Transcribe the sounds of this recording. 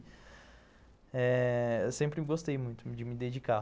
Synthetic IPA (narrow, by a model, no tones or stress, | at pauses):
ɛewsẽmpɾɪɡost̪ejmũj̃t̪ʊd͡ʒɪmɪd̪ed͡ʒika